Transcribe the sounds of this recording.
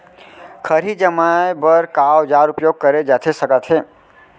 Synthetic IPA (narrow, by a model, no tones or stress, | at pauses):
kʰəɾid͡ʒəmaebəɾkawd͡ʒaɾupjoɡ̚kəɾed͡ʒat̪ʰesəkət̪ʰɦe